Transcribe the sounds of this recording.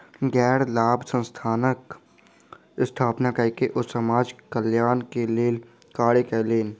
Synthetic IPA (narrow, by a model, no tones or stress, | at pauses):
ɡɛːɽlaːbʱsə̃nst̪ʰaːnək | ɪst̪ʰaːpnakɐikeʔʊsːəmaːd͡ʒkəljaːnkeleː | kaːɽekeleːn